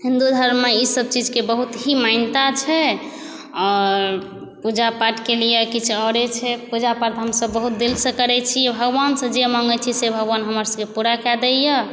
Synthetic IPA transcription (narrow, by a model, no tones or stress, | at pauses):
hind̪ud̪ʱəɾmeisəb̚t͡ʃid͡ʒkebəɦut̪ɦimaɪnt̪at͡ʃʰɛ | ɔɾ | pud͡ʒapaʈkelijekit͡ʃʰɔɾet͡ʃʰɛpud͡ʒapaɾt̪ɦəmsəbːəɦut̪̚d̪ilsə̃kəɾɛt͡ʃʰijebʱəɡbansə̃d͡ʒemɔŋɡət͡ʃʰisebʱəɡʋanɦəməɾsə̃kepuɾakɛd̪ɛjə